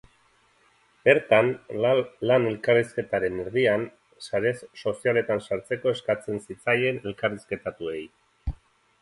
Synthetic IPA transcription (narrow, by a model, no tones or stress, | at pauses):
b̥e̞ɾt̪an | lane̞lkariske̞t̪aɾe̞ne̞ɾðian | saɾe̞sːo̞siale̞t̪ansaɾt͡se̞ko̞e̞skat͡se̞nsit͡saje̞ne̞lkariske̞t̪at̪ue̞j